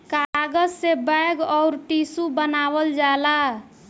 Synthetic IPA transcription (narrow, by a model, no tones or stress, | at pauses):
kaɡəd͡ʒsebajɡɔʊɾʈisubənabəld͡ʒala